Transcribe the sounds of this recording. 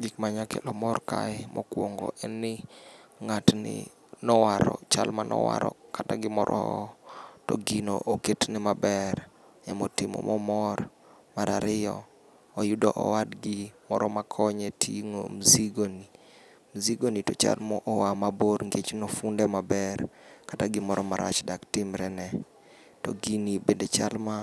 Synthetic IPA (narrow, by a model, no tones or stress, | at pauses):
ɡikmaɲakɛlɔmɔrka̰ɛmʔɔkwoŋɡɔ̰ʔɛnːɪŋatnɪ̰ | nɔwaɾɔt͡ʃalmanɔ̰wa̰ɾɔ̰kataɡɪmɔɾʔɔ | tɔɡino̰ʔoketnɪmabɛɾ | ɛmɔtɪmɔ̰mɔmɔr | maɾʔaɾɪjɔː | jʊdɔʔɔ̰wadɡɪmɔɾɔmakʰɔɲɛtʰiŋo̰mziɡoni | mziɡonitɔt͡ʃa̰lmɔʔɔwamaboɾŋɡet͡ʃnɔfundɛmabɛrkataɡɪmɔɾɔmaɾa̰t͡ʃdaktɪmɾɛnɛ | tɔɡinibendet͡ʃalma